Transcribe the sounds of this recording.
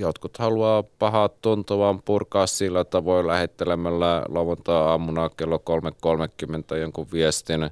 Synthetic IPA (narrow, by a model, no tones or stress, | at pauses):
jot̪kut̪hɑluɑːpɑhɑt̪t̪unt̪oʋɑːmpurkɑːssilːæt̪ːɑʋoilæhet̪ːelemælːæloʋunt̪ɑɑmːunɑkelːokolmekkolmekːymːent̪æjoŋkuʋʋiest̪in